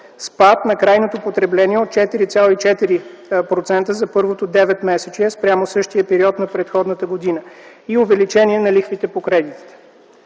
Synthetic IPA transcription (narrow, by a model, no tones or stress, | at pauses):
spat̪nɐkɾajnot̪opot̪ɾɛblɛniɛot̪̚t͡ʃɛt̪iɾit̪sʲalˠoit͡ʃɛt̪iɾipɾot̪sɛnt̪əzɐpɤɾvot̪od̪ɛvɛt̪mɛsɛt͡ʃiɛspɾʲamosɤʃt̪ijəpɛɾiɔt̪nɐpɾɛt̪xɔd̪nət̪əɡod̪inəiovɛlit͡ʃɛniɛnɐlixvit̪ɛpokɾɛd̪it̪i̥t̪ɛ̥